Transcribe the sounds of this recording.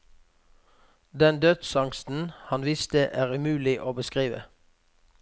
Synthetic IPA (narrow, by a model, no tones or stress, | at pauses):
d̪ɛnd̪œd̪sɑŋst̪n̩hɑnʋɪst̪əʔæːʁʉmʉːlɪʔoːbəskʁiːʋə̰